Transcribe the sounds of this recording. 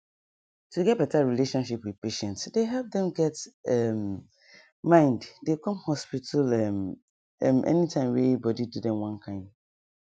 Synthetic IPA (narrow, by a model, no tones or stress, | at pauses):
tuɡɛt̚b̥ɛtaɹileʃɔ̃nʃipwið̥peʃɛ̃ntsdeɦɛlp̚dɛ̃mɡɛtɛmː | ãɪ̃nddekɔ̃mhɔspitʰalɛm | ɛ̰mʔɛ̰nitʰãɪ̃mwebɔdidudɛ̃mwãnkʰãɪ̃m